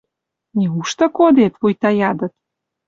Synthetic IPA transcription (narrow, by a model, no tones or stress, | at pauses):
nʲeuʃt̪ə̆kod̪et̪βujt̪ɑjɑd̪ə̆t̪̚